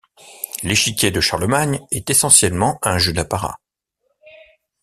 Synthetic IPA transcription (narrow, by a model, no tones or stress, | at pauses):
leʃikʲɛd̪əʃaʁləmaɲɛt̪esɑ̃sjɛlmɑ̃ɛ̃ʒød̪apaʁa̰